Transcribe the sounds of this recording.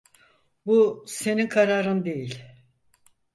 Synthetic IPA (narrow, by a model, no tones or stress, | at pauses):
buse̞ninkʰaɾaːɾɯnd̪e̞jilʲ